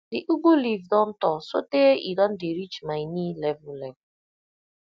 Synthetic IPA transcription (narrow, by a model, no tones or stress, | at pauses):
dɪʔuɡulivdɔn̩tɔsoteʔidɔn̩dɪɾit͡ʃmaɪnilɛvʊlɛv